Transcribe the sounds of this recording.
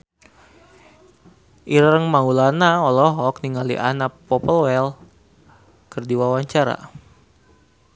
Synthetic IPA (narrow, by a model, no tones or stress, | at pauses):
ʔiɾəŋmaulanaɔlɔɦɔk̚niŋalḭʔanapːɔpəlwɛl | kərdiwawaɲt͡ʃaɾa̰